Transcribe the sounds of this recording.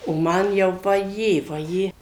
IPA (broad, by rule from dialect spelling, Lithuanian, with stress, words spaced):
oː ˈmɐn jɛʊ ʋɐˈjeː ʋɐˈjeː